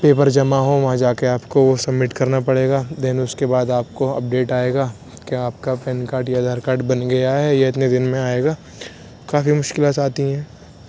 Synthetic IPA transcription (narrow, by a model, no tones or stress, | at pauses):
peːpəɾd͡ʒɐmaɦoʋɐɦãd͡ʒaːkeaːpkoʋosɐbmɪʈkɐɾnapɐɽeːɡaːd̪ɪnʊskebaːd̪aːp̚koɐ̰p̚ɖeːʈaːeːɡaː | keaːp̚kapɛːnkaːɾʈjad̪ʱɐɾkaːɾʈbɐnɡɐjaɦɛjeɪt̪ned̪ɪnmẽaːeːɡaː | kaːfimʊʃkɪlaːt̪aːt̪iɦɛ̃ː